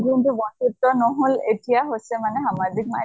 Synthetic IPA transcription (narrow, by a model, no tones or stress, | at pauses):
kintubɔntutːɔnoɦoletijaɦojsɛmanɛɦamazik̚ma̰